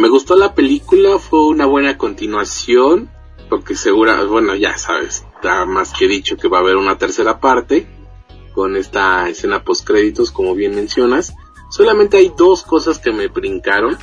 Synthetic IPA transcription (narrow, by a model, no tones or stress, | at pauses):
me̞ɣust̪o̞lape̞likulafwe̞unaβwe̞nako̞nt̪inwasjo̞n | poɾkese̞ɣuɾa̰bwe̞no̞ʝa̰sa̰βḛs | t̪amaskeðit͡ʃo̞ke̞βaːβe̞ɾunat̪e̞ɾse̞ɾapaɾt̪e̞ | ko̞ne̞st̪aese̞napo̞skɾe̞ðit̪o̞sko̞mo̞βje̞nmẽ̞nsjo̞nasː | o̞lamẽnt̪e̞ajd̪o̞sko̞saske̞me̞βɾiŋkaɾo̞n